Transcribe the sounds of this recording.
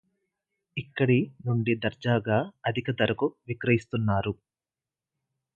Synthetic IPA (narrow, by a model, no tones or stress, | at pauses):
ikːɐɽinuɳɖid̪ɐɾd͡ʒaːɡaːɐd̪ʱikɐd̪ɐɾɐkuʋikɾɐjist̪unːaːɾu